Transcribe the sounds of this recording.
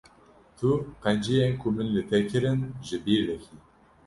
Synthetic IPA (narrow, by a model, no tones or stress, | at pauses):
t̪ʰuqɛnd͡ʒijenkʰumɨnlɨt̪ʰɛkʰɪɾɨnʒɨbiːɾlɛçiː